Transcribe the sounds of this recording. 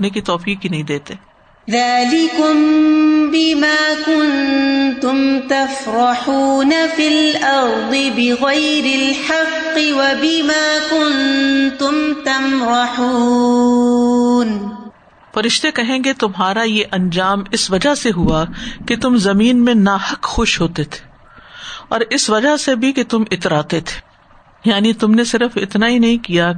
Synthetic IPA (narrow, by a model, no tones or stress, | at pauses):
nekit̪ɔːfiːqɦinɐɦĩd̪eːt̪eː | ðaːlɪkʊmbɪmaːkʊnt̪ʊmt̪afɾɑħuːnafɪlʔɑɾd̪ˤɨbɪɣajɾɪlħɑqːɪwabɪmaːkʊnt̪ʊmt̪amɾɑħuː | n | fɐɾɪʃt̪ekɐɦẽːɡet̪ʊmɦaːɾajeʔɐ̃nd͡ʒaːmɪsʋɐd͡ʒaɦseɦuaket̪ʊmzɐmiːnmẽnaːhɐkxʊʃɦoːt̪et̪ʰe̥ː | ɔːɾɪsʋɐd͡ʒasebʱiket̪ʊmɪt̪ɾaːt̪et̪ʰe̥ː | jaːnit̪ʊmnesɪɾəfɪ̰t̪naɦinɐɦĩkija